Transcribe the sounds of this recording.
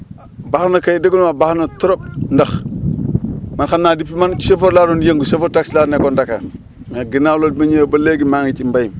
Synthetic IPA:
baxnɐkajdeɡunmabaxnɐtoɾop̚ndax | manxanːaːdipːimansefoɾlaːɾonjeŋɡusefoɾtakslaɾnekondaka̰ | maɡinawlod̚maɲebɐleɡimaŋit͡ʃimbajim

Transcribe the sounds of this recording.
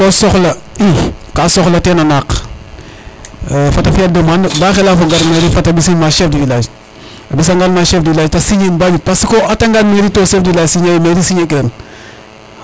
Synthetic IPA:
kosoxlɐikasoxlɐtenanak | fatɐfiadumanbaxelafoɡaɾmeɾifatɐbisimaʃɛːfdivilad͡ʒ | abis̬aŋɡalmaʃefdivilaːd͡ʒtasiɲinbaɲupasikoataŋɡalmeɾitosefdiilaːd͡ʒsiɲajimeɾisiɲakidɐn

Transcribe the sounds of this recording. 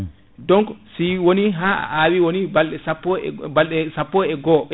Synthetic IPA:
dɔŋksiwoniɦaa̰ʔaːwiwonibalɗɛsapːɔbalɗɛsapːɔɛɡɔ

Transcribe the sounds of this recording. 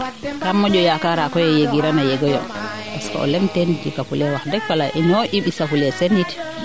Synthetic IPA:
kamːɔd͡ʒɔjakaɾakɔjɛjeɡiɾanajɛɡɔjɔ̰ | paskɔ̰ʔɔ̰lɛntɛnd͡ʒikafulɛwakdɛkːalaʔɛnɔʔiɓisafulɛsenːiti̥

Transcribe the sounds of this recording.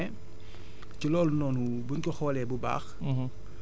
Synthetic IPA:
ɛ | cilɔːlnɔːnu | buɲkɔxɔːlɛːbuba̰ːx

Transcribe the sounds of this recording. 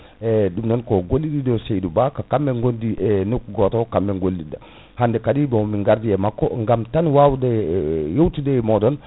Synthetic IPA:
ɛdumdɔnkɔɡolːididɔsejdubakakamːɛŋɡondiɛnokuɡɔtɔkambɛŋɡolːida | handɛkadibɔmiŋɡaɾdiɛmakːɔŋɡamtanwawudɛjowtidɛmɔdɔn

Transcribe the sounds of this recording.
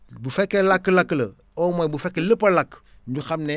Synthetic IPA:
bufekːelakːlaklɐ | omobufekːeləpɐlak | ɲduxamne

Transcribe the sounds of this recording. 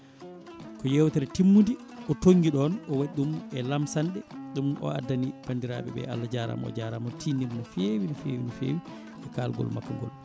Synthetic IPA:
kɔjɛwtaɾɛtimːundi | ʔɔtoŋɡiɗɔnɔwaɗumɛlamsanɗɛɗumʔɔ̰a̰dːanib̥andiɾa̰ːɓɛ̰ɓɛ̰a̰lːad͡ʒaːɾa̰mɔ̰d͡ʒaɾamɔtʰiːniɾnafewinɔfeːwinifḛːwi | ɛkaːlɡɔ̰lma̰kːaŋɡɔ̰l

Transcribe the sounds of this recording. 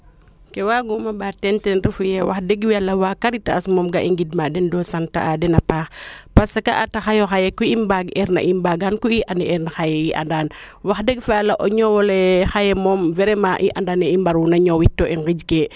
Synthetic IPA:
kɛwaɡumɐbatɛntɛnɾifujɛwaxdeɡwalːɐwaːkaɾitːaːsmɔmɡaʔiŋɡid̚madɛndɔːsanta̰ʔadɛnɐpaːxpasɐkaʔataxajɔxajɛkuimbaɡɛɾna̰ʔimbaɡankuiʔanɛɛɾnaxajɛjiʔa̰ndan | waxdɛɡfaalɐʔɔɲɔwɔlɛxajɛmɔːmvɛɾɛmaʔḭʔandanɛimbaɾunɐɲɔwitːɔʔɛŋɡid͡ʒkɛ

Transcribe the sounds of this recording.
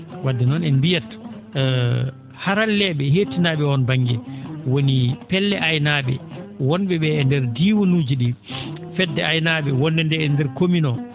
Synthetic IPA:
wadːɛnɔnɛnbijat | haɾalːɛɓɛhetinaɓɛɔnbaŋɡɛwonipɛlːɛʔajnaɓɛ̰wɔnɓɛɓɛːndɛɾdiːwonuːd͡ʒiɗifɛdːɛajnaɓɛwɔndɛndɛɛndɛɾkominɔ

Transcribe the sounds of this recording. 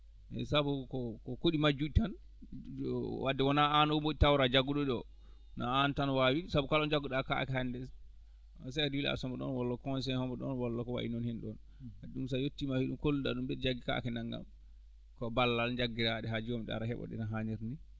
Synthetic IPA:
ʔɛ̰sabukɔkɔkoɗimad͡ʒuɗitan | wadːɛwɔnaanɔumboɗitawɾad͡ʒaɡuɗɔɗɔ̰ | naantanwawisabukalɔnd͡ʒaɡuɗaka̰kɛhandɛs | sɛduwila̰sɔmbɔɗɔ̰nwɔlːɔkɔns̬ɛhɔmbɔɗɔ̰nwɔlːɔkɔwa̰ʔḭnɔnhɛnɗɔn | aɗumsajotːimahiɗumkolːuɗa̰ɗumdɛd͡ʒaɡːika̰kɛnaŋɡa̰m | kɔbalːald͡ʒaɡːiɾaɗɛɦad͡ʒiwɔmɗa̰ɾahɛ̰ɓɔ̰ɗɛ̰naɦaɲiɾni

